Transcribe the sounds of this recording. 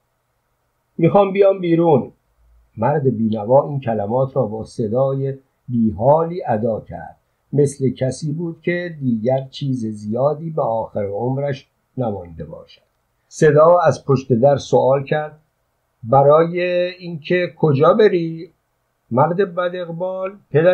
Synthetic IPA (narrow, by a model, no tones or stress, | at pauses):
miːxɒːmbijɒːmbiːɾuːn | mæɾd̪ebiːnævɒːiːncʰælæmɒːt̪ʰɾɒːbɒːse̞d̪ɒːje | biːɦɒːliːʔæd̪ɒːcʰæ̰ɾd̪̥̚ | me̞sle̞cʰæsiːbuːd̪̥̚cʲʰed̪iːɟæɾt͡ʃʰiːzezijɒːd̪iːbeɒːxeɾeomɾæʃ | næmɒnd̪e̞bɒ̰ːʃæ̥d̪̥ | se̞d̪ɒːæzpʰoʃt̪e̞d̪æɾsoɒːlcʰæɾd̪̚ | bæɾɒːjeiːnkʰekʰod͡ʒɒːbe̞ɾiː | mæɾd̪ebæd̪eɣbɒːlpʰe̞d̪æ